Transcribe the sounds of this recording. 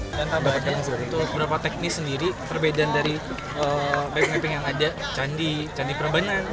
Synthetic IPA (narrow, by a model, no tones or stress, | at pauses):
danabkaŋsit̪uəbəɾapat̪ɛk̚nɪksəndiɾip̪ərbedandaɾi | əbɛp̚ŋɛpɪŋjaŋadat͡ʃandit͡ʃandipəɾəbaŋan